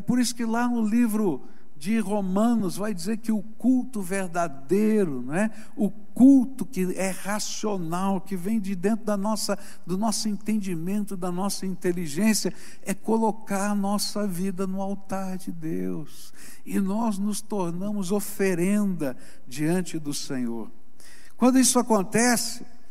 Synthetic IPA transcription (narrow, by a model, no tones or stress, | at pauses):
ɛpoɾisʊ̥kɪlanʊlivɾʊ | d͡ʒɪɦomɐ̃nʊzvajd͡ʒizeɾkɪʊkuwt̪ʊveɾd̪ad̪ejɾʊñɛ | ʊ | kuwt̪ʊkɪɛhasionawkɪvẽj̃d͡ʒɪd̪ẽnt̪ɾʊd̪ɐnɔsɐ | d̪ʊnɔsʊẽnt̪ẽnd͡ʒimẽnt̪ʊd̪ɐnɔsɐĩnt̪eliʒẽsiɐ | ɛkolokaɾɐnɔsɐvid̪ɐnʊawt̪aɾd͡ʒɪd̪e | ws | ɪnɔznʊst̪oɾnɐ̃mʊzofeɾẽnd̪ɐ | d͡ʒiɐ̃nt͡ʃɪd̪ʊsẽɲo̰ɾ | kwɐ̃nd̪ʊisʊakõnt̪ɛsɪ̥